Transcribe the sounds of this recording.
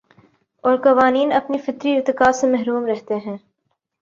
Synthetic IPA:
ɔːɾkɐʋaːniːnɐpnifɪt̪ɾiɪɾt̪ɪkaːsemɛɦɾuːmɾɛɦt̪eɦɛ̃ː

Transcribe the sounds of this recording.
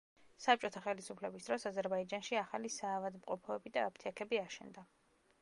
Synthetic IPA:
sap̚t͡ʃʼɔt̪ʰaχɛlisupʰlɛbisd̪̥ɾɔsazɛɾbaid͡ʒanʃiaχalisaːvad̪mqʼɔpʰɔɛbid̪aːp̚ʰt̪ʰiakʰɛbiaʃɛ̰nd̪a

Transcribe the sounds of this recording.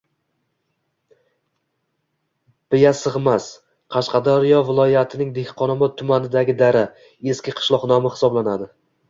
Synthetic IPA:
b̥ɪjasɨʁmas | qʰɑʃqʰɑd̪ɒɾɪjɒvɪlˠɒjat̪ʰɪnɪŋd̪ehqʰɒnɒmɒt̪̚ʰːʊmanɪd̪aɡʲɪd̪aɾa | e̞skʲɪqʰɨ̥ʃlˠɒqnɒmɪχɪ̥sɒblanad̪ɪ

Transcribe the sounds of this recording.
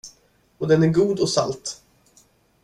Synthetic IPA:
ɔd̪ɛnæɾɡuːd̪ɔsa̰lt̪

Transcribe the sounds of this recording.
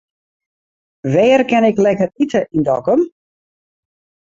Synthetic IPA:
ʋɛːərkɛnɪklɛkəritʰəʔindɔkəm

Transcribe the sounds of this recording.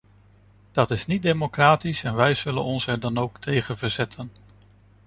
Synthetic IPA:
d̥ɑtɪsnit̚dejmokraːtisɛnʋɛjz̥ɵlə̰nɔnsɛɹdɑnowktʰejχənvəɹzɛtʰən

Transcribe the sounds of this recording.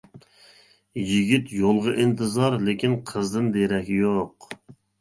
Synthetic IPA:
jiɡʲit̪jolˠʁɑʔint̪ʰɨzɑɾlekʲinqʰəzd̪ɨnd̪eɾɛkʲjoq

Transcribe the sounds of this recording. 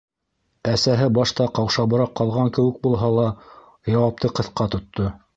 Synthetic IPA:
æsæɦɘbɑʃt̪ɑqɑwʃɑβɤ̆ɾɑqːɑlˠʁɑŋkɘ̆wɘ̆k̚bulˠɦɑlˠɑ | jɑwɑp̚t̪ɤqɤ̆θqɑt̪ŏt̪ʰːo

